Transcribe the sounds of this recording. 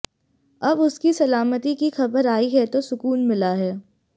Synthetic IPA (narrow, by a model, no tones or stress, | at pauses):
ɐbʊskisɐlaːmət̪ikixɐbəɾaːiɦɛt̪osʊkuːnmɪlaɦɛː